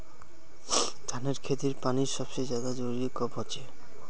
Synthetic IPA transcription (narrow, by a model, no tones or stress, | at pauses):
t̪ʰaneɾkʰet̪iɾpaniɾʃɔb̥ʃejd͡ʑad̪ad͡ʑoɾiekɔbɦɔt͡ɕʰe